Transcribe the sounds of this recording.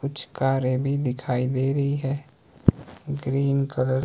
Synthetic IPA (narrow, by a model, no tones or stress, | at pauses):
kʊt͡ʃʰkaːɾebʱid̪ɪkʰaːid̪eːɾəɦiɦɛː | ɡɾiːnkəɾəɾ